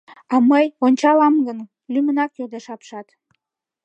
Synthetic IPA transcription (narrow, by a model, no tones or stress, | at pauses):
ɑməjonʲt͡ɕɑlɑmɡən | lymənɑkørd̪eʃɑpʃɑt̪